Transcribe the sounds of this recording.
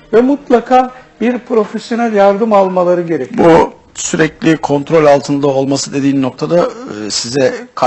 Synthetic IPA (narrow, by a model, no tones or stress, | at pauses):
vɛmut̪lˠakʰaːbiɾpɾo̞fesjo̞nælʲjaɾd̪ɯmalˠmalˠaɾɯɟe̞ɾɛcʲbu | syɾɛclʲikʰo̞nt̪ɾo̞lʲalˠt̪ʰɯnd̪ao̞lˠmasɯd̪e̞d̪iːnːo̞k̚t̪ʰad̪asizɛkʰ